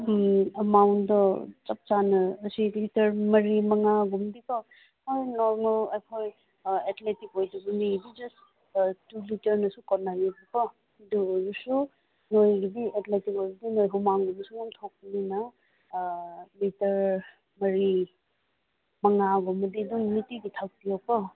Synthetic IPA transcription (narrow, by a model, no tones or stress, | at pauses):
ɐmawntdɔt͡ʃɐp̚t͡ʃanɯːsilitɐɾmɐɾimɐŋaɡumdibɐ | hojnoɾmɐlekʰoj | etʰletikojdubunidid͡ʒɐs | tulitɐɾnɐsukɔnːajubibɐ | duɾusu | nojɡidietletikojɡidinojɦumaŋɡumisuɡumtʰok̚ninɐ | litɐɾ | mɐɾi | mɐŋaɡumɐdiduŋmitiditʰak̚tijɔk̚pɐ